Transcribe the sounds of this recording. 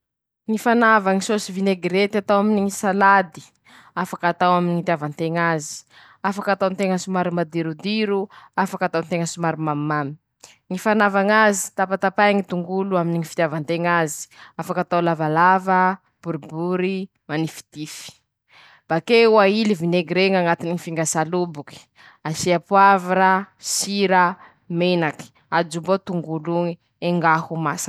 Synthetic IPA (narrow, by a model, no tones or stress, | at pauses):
ŋifanavaŋisosivineɡɾet̪iat̪awaminiŋisalad̪i̥ | afḁkat̪awaminiŋit̪ʲjavant̪eŋazi̥ | afakat̪awnt̪eŋəsumaɾimad̪iɾud̪iɾuafakat̪ant̪eŋəsumaɾimamːami̥ | ŋifanavaŋazi̥t̪apat̪apajŋit̪uŋɡuluaminiŋifi̥t̪javant̪eŋazi̥afakat̪awlavalavə | b̥uɾibuɾi | manifi̥t̪ifi̥ | b̥akeuailivineɡiɾeŋaŋat̪iniŋifiŋɡasalubuki̥ | asiapwaviɾasiɾa | menaki̥ | ad͡ʒumbot̪uŋɡuluŋi | eŋɡahumasa